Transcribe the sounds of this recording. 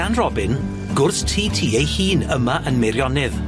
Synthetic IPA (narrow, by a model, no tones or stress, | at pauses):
anrɔbɪn | ɡʊrθtʰiːtʰiːejhiːnəmaʔənmɪɾjɔnɪð